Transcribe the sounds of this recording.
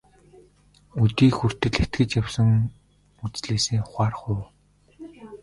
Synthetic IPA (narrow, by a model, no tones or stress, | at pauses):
ut̪iːxur̥t̪ɘ̆ɮet̪̚ɡɘ̆t͡ɕjawsə̆ŋ | ut͡sɮeːseːʊχaːrχʊː